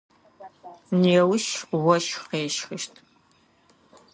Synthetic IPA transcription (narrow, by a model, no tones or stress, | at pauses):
neːwʃwɔʃqeːʃxɨʃtʰ